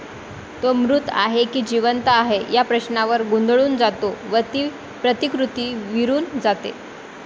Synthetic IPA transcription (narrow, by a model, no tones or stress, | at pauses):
t̪omɾut̪a̰ɦekiːd͡ʑiʋənt̪aːɦejapɾəɕnaʋəɾɡund̪ɭuːnd͡zat̪oʋət̪iː | pɾət̪ikɾut̪iːʋiɾuːnd͡zat̪ḛ